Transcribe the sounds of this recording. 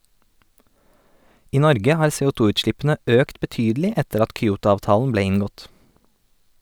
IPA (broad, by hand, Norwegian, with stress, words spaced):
ˈiː ˈnɔɾɡə ˈhɑːɾ seːuːˈtuːʉːtˌʃlɪpn̩ə ˈøːkt bəˈtyːdlɪ ˈɛtəɾ ˈɑt kʏˈuːtʊɑːʋˌtɑːln̩ ˈbleː ˈɪŋɡɔt